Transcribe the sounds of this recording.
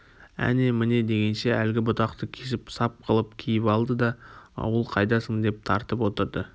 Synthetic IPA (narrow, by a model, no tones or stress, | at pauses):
æ̰nemɪne̞d̪e̞ɡʲe̞nʃe̞ælɡʲɪbʊt̪ɑqt̪əkʲʰe̞sɪpsɑp̚qʰəlˠəp̚kʲʰijɪpɑlˠd̪əd̪ɑɑ̰wəlˠqʰɑjd̪ɑsəŋd̪e̞p̚t̪ʰɑɾt̪əpwo̞t̪əɾd̪ə